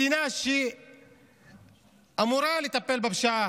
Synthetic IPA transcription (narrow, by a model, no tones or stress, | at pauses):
inaːʃi | ɐmuɾaːlit̪ɐpːelbɐbʃaː